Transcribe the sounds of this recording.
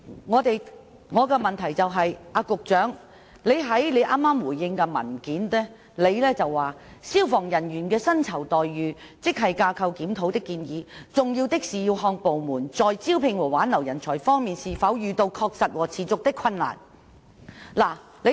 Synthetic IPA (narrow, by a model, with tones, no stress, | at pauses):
ŋɔː˨˧t̪e˨j | ŋɔː˨˧kɛː˧mɐ˨nt̪ʰɐ˨˩jt͡sɐ˨wɦɐ˨jʔaː˧kʊ˨k̚t͡ʃœː˨˥ŋ | le˨˧jɦɐ˨˥jle˨˧jʔaː˥mːaː˥mwuː˨˩jːɪ˧ŋkɛ˧mɐ̰˨˩nkiː˨˥nt̪ɛː˥ | le˨˧jlɛː˥t͡sɐ˨wːaː˨˩siː˥wfɔː˨˩ŋjɐ˨˩nɥyː˨˩nkɛː˧sɐ˥nt͡sʰɐ˨˩wt̪ɔː˨jːyː˨˧ | t͡sɪ˥k̚ɦɐ˨jkaː˧kʰɐ˧wkiː˨˥mt̪ʰo˨˥wt̪ɪ˥kːiː˧njiː˨˧t͡sʊ˨ŋjiː˧wt̪ɪ˥k̚siː˨jiː˧wɦɔː˧ŋpo˨wmuː˨˩nt͡sɔː˨jt͡siː˥wpʰɪ˧ŋwɔː˨˩waː˨˥nlɐ˨˩wjɐ˨˩nt͡sʰɔː˨˩jfɔː˥ŋmiː˨nsiː˨˩fɐ˨˥wjyː˨˧t̪o˧wkʰɔː˧k̚sɐ˨t̚wɔː˨˩t͡sʰiː˨˩t͡sʊ˨k̚t̪ɪ˥kʰːɐ˧nla̰ː˨˩n | laː˨˩ | le˨˧